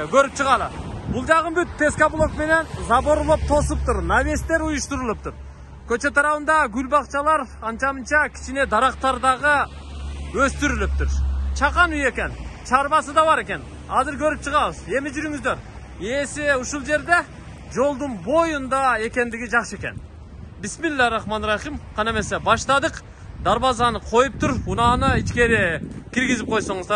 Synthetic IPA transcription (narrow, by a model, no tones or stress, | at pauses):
kʲʰøɾp̚t͡ʃʰəʁɑlˠəbʊlˠd͡ʒɑqənbyt̪̚pʰʲe̞skablˠokme̞ne̞nzɑboɾlˠop̚t̪ʰo̞sup̚t̪ʊɾnave̞st̪e̞ɾujuʃt̪uɾulˠɯp̚t̪uɾ | kʰʲø̞t͡ʃe̞t̪ʰɑɾɑwənd̪ɑɡʲylbɑqt͡ʃɑlˠɑɾɑnt͡ʃɑmənt͡ʃɑkʲʰi̥t͡ʃine̞d̪ɑɾɑqt̪ɑɾd̪ɑʁə | øst̪yɾylɪp̚t̪ʊɾt͡ʃʰɑqɑnyje̞kʲe̞nt͡ʃʰɑɾbɑsəd̪ɑbɑɾe̞kʲe̞n | ɑzɪɾkʰɵɾɪp̚t͡ʃʰəʁɑβəze̞mɪd͡ʒyɾyŋɪzd̪e̞ɾ | e̞seʊʃulˠd͡ʒe̞ɾd̪e̞ | d͡ʒo̞lˠd̪ʊnbo̞jund̪ɑe̞kʲe̞nd̪ɪɡʲɪd͡ʒɑχʃəe̞kʲe̞̰n | bɪsmɪllːæɾɑχmɑnɾɑχimqʰɑneme̞sebɑʃt̪ɑd̪əq | d̪ɑɾbɑzɑnəqʰo̞jup̚t̪ʰʊɾunɑnəit͡ʃkʲe̞ɾekʲʰiɾɡʲɪzɪp̚qʰo̞jsoɴəzd̪ɑɾ